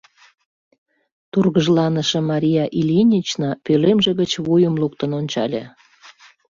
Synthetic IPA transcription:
t̪urɣəʒlɑnəʃĕmɑɾʲijɑʔilʲinʲit͡ɕnɑpølemʒĕɣət͡ɕβujəmluk̚t̪ənonʲt͡ɕɑlʲe

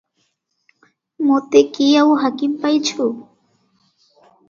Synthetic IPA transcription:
mʊt̪ekɪjawhakɪmpajt͡ʃʊ

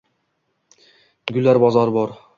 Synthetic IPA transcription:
ɡʲʉlæɾbɒzɑɾbɒɾ

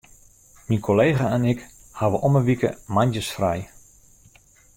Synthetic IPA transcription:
minkʰoleːɣaɛnɪk | haʋəʔɔməʋikə̰manjəsfrɛj

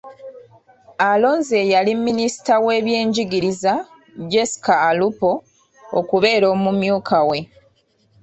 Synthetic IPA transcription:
alo̞ːnze̞jalimːinisi̥tawe̞ːβje̞ːɲɟiɡiɾiza | ɟe̞si̥kaːlupo̞ | o̰kuβe̞ːɾo̞ːmumjuːkʰawe̞

